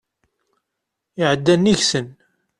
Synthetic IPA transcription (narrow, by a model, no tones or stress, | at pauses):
ɪʕəd̪ːænːiçsən